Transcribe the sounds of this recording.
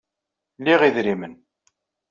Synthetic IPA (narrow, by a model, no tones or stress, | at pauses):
lːiʁiðɾimən